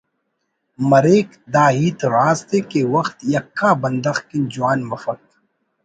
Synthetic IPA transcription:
mɐɾeːk | d̪aːɦiːt̪ɾaːst̪ekewɐxt̪jɐkʰːaːbɐnd̪ɐxkind͡ʒuwaːnmɐfɐk̚t̪

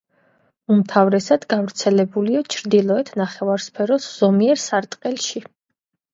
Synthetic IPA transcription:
umt̪ʰavɾɛsad̪ɡavɾt̪sʰɛlɛbuliat͡ʃʰɾd̪ilˠɔɛt̪ʰnaχɛvaɾspʰɛɾɔsz̥ɔmiɛɾsaɾt̪ʼqʼɛlˠʃi

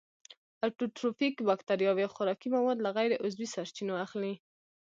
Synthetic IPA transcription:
aɾʈuʈɾofikbɑkt̪aɾjɑwawxʊɾɑkimawɑd̪laɣajɾeʔʊzbisaɾt͡ʃinoaxli

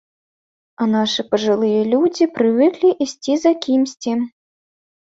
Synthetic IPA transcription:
ɐnaʂɨpɐʐɨlˠɨjɐlʲud͡zʲipɾɨvɨklʲiʔisʲt͡sʲizakʲʰimsʲt͡sʲim

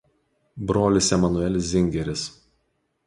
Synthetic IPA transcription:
bɾoːlʲɪsʲɛmɐnʊɛlʲɪs̬ʲzʲɪŋʲɡʲɛɾʲɪs

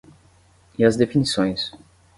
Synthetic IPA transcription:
iɐzd̪efinisõj̃s

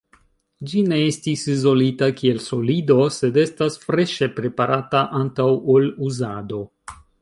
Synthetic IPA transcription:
d͡ʒine̞estisizo̞litakie̞lso̞lido̞se̞de̞stasfɾe̞ʃe̞pɾe̞paɾataʔantawoluzado̞

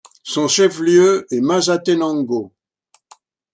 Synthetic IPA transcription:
sɔ̃ʃɛfljøɛmazat̪ɛnɑ̃ŋɡo

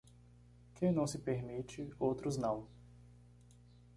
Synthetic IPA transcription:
kẽj̃nɐ̃w̃sɪpeɾmit͡ʃɪowt̪ɾʊznɐ̃w̃

